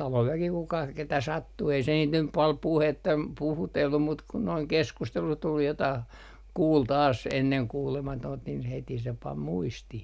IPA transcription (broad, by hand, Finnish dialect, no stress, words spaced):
tɑloʋ ʋæki kukɑ ketæ sɑtːu ei se niːt nyp pɑl puhetːɑ puhutelːum mut kun noiŋ keskustelu tul jotɑh kuːl tɑːs enːeŋ kuːlemɑtoːnt nin heti se pɑm muistih